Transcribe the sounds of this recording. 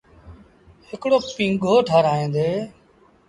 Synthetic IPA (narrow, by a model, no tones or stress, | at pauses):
hɪkɽoːpĩːŋɡʱoːʈʰaːɾaːẽːnd̪eː